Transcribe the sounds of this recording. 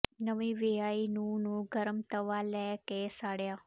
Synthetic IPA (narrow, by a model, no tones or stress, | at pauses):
nəʋĩːʋeaːinũnũɡəɾəmt̪əʋaːlɛkesaːɽjaː